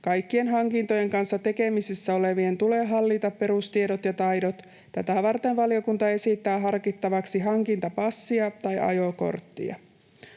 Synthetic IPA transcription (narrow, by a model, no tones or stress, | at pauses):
kɑjkːie̞nɦɑŋkint̪o̞jeŋkɑnsːɑt̪e̞ke̞misisːæo̞le̞ʋie̞nt̪ule̞ːɦɑlːit̪ɑppe̞ɾust̪iedot̪jɑt̪ɑjdot̪ | t̪æt̪æʋɑrt̪enʋɑlio̞kunt̪ɑe̞sit̪ːæːɦɑrkit̪ːɑʋɑksiɦɑŋkint̪ɑpɑsːiɑt̪ɑjʔɑ̰jo̞ko̞̰rt̪ːḭɑ̰